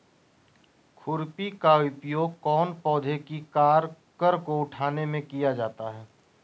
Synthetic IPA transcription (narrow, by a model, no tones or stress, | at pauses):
kʰʊɾpikaʊpjoːɡ̚kɔːnpɔːd̪ʱekikaːɾ | kəɾkoʊʈʰaːnemẽkijad͡ʒaːt̪aɦɛː